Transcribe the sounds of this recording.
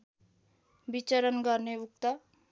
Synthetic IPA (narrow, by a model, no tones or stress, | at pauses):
bit͡ʃəɾənɡaɾneuk̚t̪a